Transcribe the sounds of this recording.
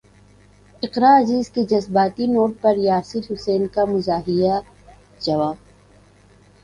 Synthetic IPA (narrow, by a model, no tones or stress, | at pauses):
ɪqɾaːɐziːzked͡ʒɐzbaːt̪inoːʈ̚pɐɾjaːsɪlɦʊseːnkamʊzaːɦija | d͡ʒɐʋaːb